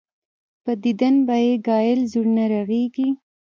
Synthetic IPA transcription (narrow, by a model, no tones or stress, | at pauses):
pəd̪id̪anbajeɡɑjɪlzuɽnaɾaɣeɡi